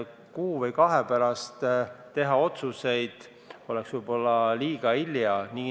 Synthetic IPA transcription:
kuːvɤjkɑɦepæɾɑst̪ː | e̞ɦɑo̞t̪suse̞jd̪̥ | o̞lɛksvɯjb̥o̞lːɑliːɡ̥ɑiljɑni

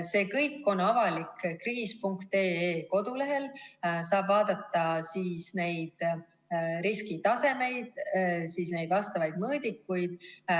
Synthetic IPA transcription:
se̞ːkɤjkːˑo̞nɑvɑlikkriːspuŋkt̪e̞ːeːko̞d̪̥ule̞ɦe̞lsɑːb̥vɑːd̪̥ɑt̪ˑːɑsiːsne̞jd̪̥ | ɾiskit̪ɑse̞me̞jd̪̥siːsne̞jd̪vɑst̪ɑvɑjd̪̥mɤːd̪ikːujd̪̥

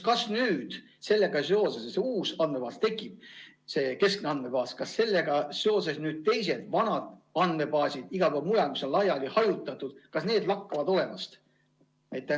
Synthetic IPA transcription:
kɑsnyːd̪̥ | se̞lːe̞ɡ̥ɑse̞o̞sesɑseuːsɑnd̪me̞pɑːst̪e̞kːˑib̥̚ | se̞ːke̞skneɑnd̪me̞pɑːskɑsːe̞lːe̞ɡ̥ɑse̞ose̞snyːd̪̥̚t̪e̞js̬e̞d̪̥vɑnɑd̪̥ɑnd̪me̞pɑːsʲid̪̥iɡ̥ɑpæmujemiso̞nlɑjɑlʲihɑjut̪ːˑɑt̪ːˑud̪̥kɑsne̞ːd̪lɑkːɑvɑd̪o̞le̞mɑst̪ | æjt̪ːˑe

